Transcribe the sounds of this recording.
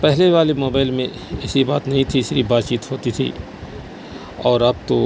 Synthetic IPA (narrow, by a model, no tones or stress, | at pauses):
pɛɦleʋaːlimoːbaːɪlmẽ | ɛsiba̰ːt̪nɐɦĩt̪ʰiɪsɾibaːt̪t͡ʃiːt̪ɦoːt̪it̪ʰḭ | ɔːɾɐb̚t̪o